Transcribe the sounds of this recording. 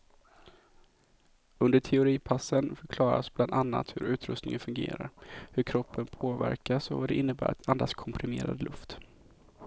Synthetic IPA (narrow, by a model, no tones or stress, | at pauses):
ɵnd̪əʈʰɛʊɾiːpʰasːənfœɾkʰlɑːɾasbland̪anːa̰t̪hɵɾʉ̟ːt̪ɾɵst̪nɪŋənfɵŋɡḛːɾaɾhɵɾkʰɾɔpʰːənpʰoːvæ̰ɾkasɔvad̪ɛʔɪnːəbæːɾat̪ʰand̪askʰɔmpʰɾɪmeːɾa̰d̪lʔɵft̪